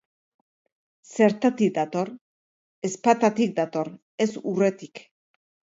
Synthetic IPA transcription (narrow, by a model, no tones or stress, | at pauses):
se̞ɾt̪at̪ik̚d̪at̪o̞ɾ | e̞spat̪at̪ik̚d̪at̪o̞ɾ | e̞sure̞t̪ik